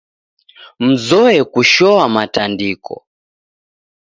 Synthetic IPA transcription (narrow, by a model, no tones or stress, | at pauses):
m̩zɔɛkuʃɔwamatandikʰɔ̰